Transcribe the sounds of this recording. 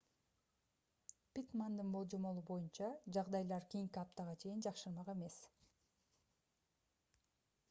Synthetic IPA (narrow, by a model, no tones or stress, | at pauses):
pʲit̪mand̪ɯnbo̞lˠd͡ʒomo̞lˠubo̞junt͡ʃɑd͡ʒɑʁd̪ɑjlˠɑɾkʲijiŋkʲiɑp̚t̪ɑʁɑt͡ʃʰe̞jind͡ʒɑqʃɯɾmɑqe̞me̞s